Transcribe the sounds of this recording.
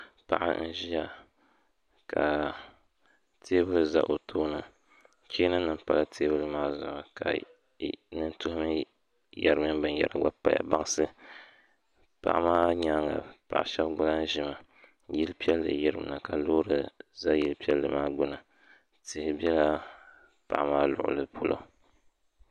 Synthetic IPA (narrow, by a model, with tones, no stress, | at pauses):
pa̰˨ʔa̰˦n̩˦ʒi˦a˨ | ka̰˨ | tʰeː˦bɨ˦lɨ˦˨za̰˦ʔo˨tʰoː˦nɨ˨ | ki˦nɨ˦nɨ˨m˦pa˦la˦tʰeː˦bɨ˦lɨ˦maː˦zʊ˨ma˨ka̰˨ | nɨ˦ntʊ˦hʊ˦mɨ˦ | ja˨ɾɨ˦mɨ˦bɨ˨n˨jɛ̰˨ɾa˨ɡ͡ba˦pa˨ja̰˨ba˦ŋ˦sɨ˦ | pa̰˨ʔa˦maː˦ɲa˦ŋa̰˨pa̰˨ʔa˨ʃɛ˦bɡʊ˦na˦ʒɪ˨ma˨ | ji˦lpi˦ɛ˦lːɨ̰˨jɪ˦ɾɨ˦m˨na˨ka˨loː˦ɾɨ˨za˦ji˦lpi˦ɛ˦lːɨ˨maː˦ɡʊ˦nɨ˨ | tɪ˨hɪ˨bi˦ɛ˦la˦ | pa̰˨ʔmaː˦lʊ̰˨ʔʊ̰˨lɨ˦pʰo˦lʔo̰˦